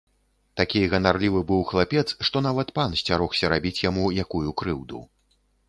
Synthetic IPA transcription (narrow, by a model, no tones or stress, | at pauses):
t̪akʲijɣɐnarlʲivɨbɨwxlˠapʲɛt̪sʂt̪ɔnavɐt̪pansʲt͡sʲaɾɔxsʲɐɾabʲit͡sʲjamujakujukɾɨwd̪ṵ